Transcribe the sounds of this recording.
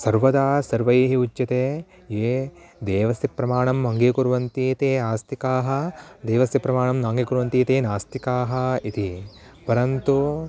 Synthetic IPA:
sɐɾʋɐd̪aːsɐɾʋɐjɦiut͡ʃːɐt̪eː | jeːd̪eːʋɐsjɐpɾɐmaːɳɐmːɐːŋɡeːkuɾuʋɐnt̪iːt̪eːaːst̪ʰikaːɦɐd̪eːʋɐsjɐpɾɐmaːɳɐmnaːŋɡeːkuɾʋɐnt̪iːt̪eːnaːst̪ʰikaːɦɐ̆it̪i | pɐɾɐnt̪u

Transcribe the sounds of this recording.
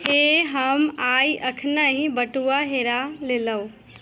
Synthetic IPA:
ɦeːɦəmaːiʔəkʰnəɦĩbəʈuwaɦeːɾaleləo

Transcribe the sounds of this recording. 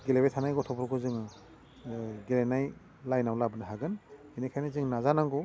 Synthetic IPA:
ɡelebetʰanajɡɔtʰɔbɔɾɡɔzɯŋ | ɡelenaj | lajnawlabɯnɯɦaɡɯninikʰajnɯzɯŋnazanaŋɡo

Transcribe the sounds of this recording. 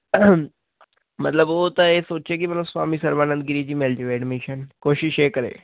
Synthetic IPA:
mə̰t̪ləboɦut̪əesoɕek̬iːmənəsa̰miːsəɾʋanənd̪ɡiɾit͡ɕiːmeld͡ʑiʋeɖmiɕənkoɕiʃekəɾḛ

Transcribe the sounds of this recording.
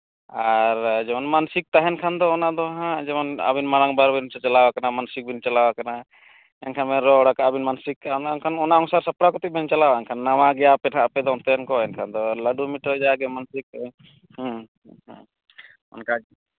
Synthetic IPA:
aɾd͡ʒɛmanmansik̚t̪aɦɛnkʰand̪ɔɔnaʔd̪ɔaɦãd͡ʒɛmɔna̰binmaɽaŋbaɾbɛɾnsɛt͡ʃalawakanamansik̚bint͡ʃalawakana | ɛnkʰanmɛɾɔɔɽakaʔabinmansikːaɔnankʰanɔnaɔŋsaɾsapɽakɔt̪ibɛnt͡ʃalawaankʰanːawaɡɛjapɛʈʰaʔpɛd̪ɔɔnt̪ɛnkɔɛnkʰand̪ɔlaɖumiʈɾɔd͡ʒaɡɛmansik̚ | ɔ̰nka

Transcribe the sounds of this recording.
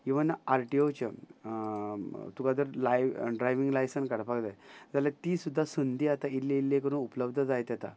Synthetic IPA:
kiʋ̤ənːaaɾʈiot͡ɕə̰ | t̪ukad̪əɾlajɖɾajʋiŋɡlajsənkaɽpaɡd͡z̪ajd͡zalat̪iːsud̪ʱːasənd̪iat̪ailːeilːẽkəɾũnupləbd̪ʱəd͡zajt̪jat̪a̰

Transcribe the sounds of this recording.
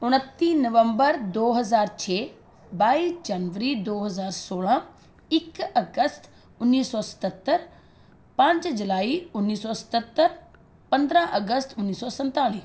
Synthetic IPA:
ʊɽ̃ət̪ːinəʋə̃mbəɾd̪oːɦəzaːɾt͡ʃʰeː | baːid͡ʒənʋəɾid̪oːɦəzaːɾsoːɽ̃ã | ɪkəɡəst̪ | ʊnːiːsɔːsɐ̥t̪ət̪ːəɾ | pɐ̃ɲd͡ʒd͡ʒəlaːiʊnːiːsɔːsɐ̥t̪ət̪ːəɾ | pɐ̃nd̪ɾãʔəɡəst̪ʊnːiːsɔːsə̃nt̪aːliː

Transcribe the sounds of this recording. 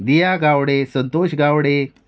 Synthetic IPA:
d̪ijaɡawɽesənt̪oɕɡawɽe

